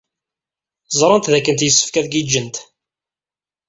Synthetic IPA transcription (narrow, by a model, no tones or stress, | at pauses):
zˤɾˤənt̪ðækːənt̪jəsːə̥fkæðɡid͡ʒːənt̪